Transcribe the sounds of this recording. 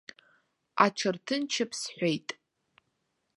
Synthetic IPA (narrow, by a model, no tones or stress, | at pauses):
a̰ʈ͡ʂʰɨrtʰɨnt͡ʃʰɪpʰsħʷejtʼ